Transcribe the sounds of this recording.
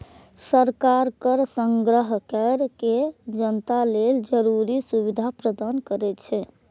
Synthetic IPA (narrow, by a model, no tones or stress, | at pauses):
səɾkaɾkəɾsəŋɡɾəɦkɛɾked͡ʒənt̪aleld͡ʒəɾuɾisuβid̪ʱapɾəd̪ankəɾɛt͡ʃʰɛ